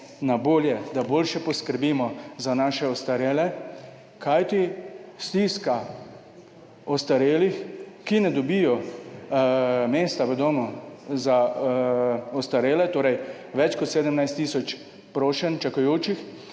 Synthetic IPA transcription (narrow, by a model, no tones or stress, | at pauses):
naboːljɛd̪aboːlʃɛpɔskəɾbiːmɔzanaːʃɛɔst̪aɾeːlɛ | kajt̪ist̪iːska | ɔst̪aɾeːlixkinɛd̪ɔbijɔ | meːst̪aʋɛd̪oːmɔza | ɔst̪aɾeːlɛt̪oːɾɛj | ʋɛt͡ʃkɔt̪seːd̪əmnajst̪ːiːsɔt͡ʃ | pɾoːʃɛnt͡ʃakɔjoːt͡ʃix